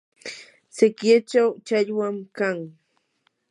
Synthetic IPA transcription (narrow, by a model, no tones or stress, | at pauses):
sɪkjat͡ʃawt͡ʃaʎwamkaŋ